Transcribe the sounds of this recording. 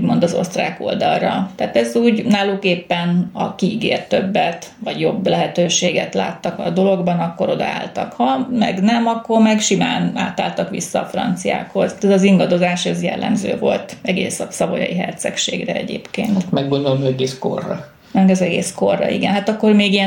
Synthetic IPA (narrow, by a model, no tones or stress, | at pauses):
uɟmo̞nd̪ɒzo̞̰st̪raːko̞ld̪ɒlrɒt̪aːt̪ɛzuːɟnaːlːukeːpːɛnɒkiiɡeːrt̪ːøbːɛt̪ʋɒɟjo̞blɛɦɛt̪øːʃeːɡɛ̰t̪la̰ːt̪ːɒkɒd̪o̞lo̞ɡbɒnɒkːo̞ɾo̞d̪ɒ̰a̰ːlt̪ɒkhɒmɛ̰ɡnɛmɒkːo̞rmɛɡʃimaːna̰ːt̪aːlt̪ɒkʋḭsːɒːfrɒ̰nt̪sija̰ːkho̞zɛzɒziŋɡɒd̪o̞zaːʃɛzjɛ̰lːɛ̰mzø̰ːvo̞lt̪ɛɡḛːsɒsɒbojɒ̰jiɦɛ̰rt̪sɛkʃeːɡrɛɛ̰ɟeːpkeːnt̪mɛɡːond̪olomɛɡeːsko̰rːɒ | nɛzɛɡeːskorːɒ̰ḭɡɛnɦat̪ɒkːo̞rmeːɡijɛn